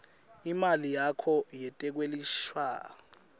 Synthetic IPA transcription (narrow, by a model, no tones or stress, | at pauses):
imalijakʰɔjɛtʼɛk̬weliʃwaː